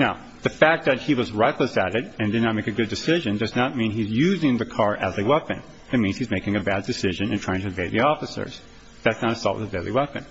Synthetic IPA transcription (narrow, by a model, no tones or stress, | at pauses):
naʊ | ðɨfæk̪̚ðɨt̚hiwʌzɹɛkləsɨɾɪɾɨ̃ndɨdⁿnət̚meɪkɨɡʊdɨsɪʒɨ̃ndʌznət̚mĩnizjʉzɪ̃ŋðɨkʰɑɹʔɨzɨwɛpɨ̰̃n | ðɨt̚mĩnz̥hizmeɪkɪ̃ŋɨbædɨsɪʒɨ̃nɨ̃ntʰɹ̥aɪɪ̃ŋtʰɨɨveɪðiɔfɨsə̰˞z̥ | ðætsnəɾɨsɔ̰lˠʔɨvelˠiwɛpɨ̰̃n